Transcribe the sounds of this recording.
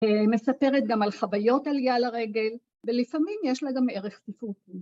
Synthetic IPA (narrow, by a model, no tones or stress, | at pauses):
eme̞sape̞ʁet̪̚ɡamalχavajo̞taljalaʁe̞ɡe̞l | velifamimjeʃlaɡame̞ʁe̞χsifut